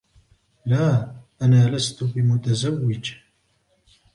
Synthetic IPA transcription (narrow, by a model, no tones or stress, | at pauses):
laːʔanaːlast̪ʊbɪmʊt̪azawːɪd͡ʒ